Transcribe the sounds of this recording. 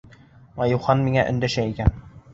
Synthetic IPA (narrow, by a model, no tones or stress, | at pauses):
mɑjuχɑnmiŋæʔɵ̰̆nd̪æʃæikæn